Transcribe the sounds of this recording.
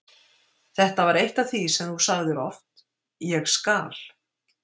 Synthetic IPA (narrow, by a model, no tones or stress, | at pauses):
θɛht̪avaɾejht̪aθisɛmθusaɣðɪɾɔft̪ | jɛɣskaːl̥